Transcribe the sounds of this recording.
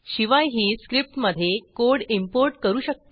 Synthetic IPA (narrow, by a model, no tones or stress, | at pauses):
ɕiʋajɦiːskɾip̚ʈməd̪ʱːjekoɽimpoɾʈkəɾuːɕək̚t̪